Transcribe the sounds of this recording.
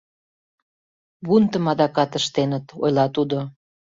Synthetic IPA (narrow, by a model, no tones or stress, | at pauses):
βunt̪əmɑd̪ɑkɑt̪əʃt̪enət̪o̰jlɑt̪ud̪o